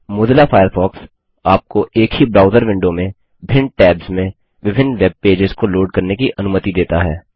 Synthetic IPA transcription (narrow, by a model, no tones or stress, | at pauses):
mʊːd̪lafʰaːjəɾfʰɔːks | aːp̚koʔeːkhibɾaːʊzəɾʋɪ̃ɳɖomẽ | bʱɪ̃ɳɖʈɛːbzmẽ | ʋɪbʱɪnːʋeb̚peːd͡ʒɪzkoloːɖ̚kɐɾnekiʔɐnʊmət̪id̪eːt̪aɦɛː